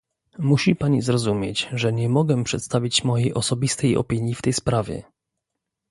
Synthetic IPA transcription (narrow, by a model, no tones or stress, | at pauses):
muɕipaɲizɾɔzumʲjet͡ɕʐɛɲɛmɔɡɛpʂɛt̪st̪avʲit͡ɕmɔjejʔɔsɔbʲist̪ɛjɔ̰pʲiɲjift̪ɛjspɾavʲjɛ̰